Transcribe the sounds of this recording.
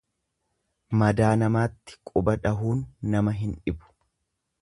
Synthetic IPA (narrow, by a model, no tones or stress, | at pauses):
mɐd̪aːnɐmaːt̪ːɪ̥kʼʊbɐᶑɐɦuːnːɐmɐɦɪnᶑɪbʊ̥